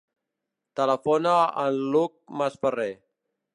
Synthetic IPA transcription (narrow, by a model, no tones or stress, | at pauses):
t̪ələfonəənluk̚məsfəre